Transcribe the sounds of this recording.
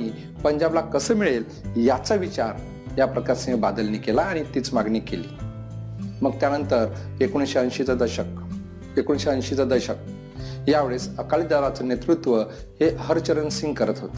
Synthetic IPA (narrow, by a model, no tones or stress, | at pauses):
ãi | pəɲd͡ʑablakəsəːmiɭel | jat͡saʋit͡ɕaɾ | japɾəkaɾsĩŋɡbad̪əlnikelaːɽ̃it̪iːt͡smaɡɳikeliː | məɡ̚t̪janənt̪əɾ | ekuñɕeənɕit͡sad̪əɕək̚ | ekuɳɕeənɕit͡sad̪əɾɕək̚ | jaʋeɭesəkaliːd̪aʋat͡sənet̪ɾut̪ʋə | heɦəɾt͡ɕəɾənsĩŋɡkəɾət̪ɦot̪ə̥